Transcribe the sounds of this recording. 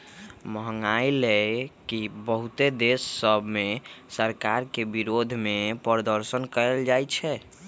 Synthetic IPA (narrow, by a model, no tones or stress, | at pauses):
məɦəŋailekibəɦut̪ed̪esːəbʱmesəɾkaɾkebiɾod̪ʱmepəɾd̪əɾsənkəɾɛld͡ʒajt͡ʃʰɛ